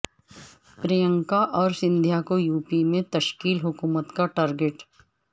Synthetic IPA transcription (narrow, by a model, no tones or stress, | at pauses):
pɾijə̃ŋkaʔɔːɾsɪ̃nd̪ʱjakojuːpimẽt̪ɐʃkiːlɦʊkuːmət̪kaʈaːɾɡeʈ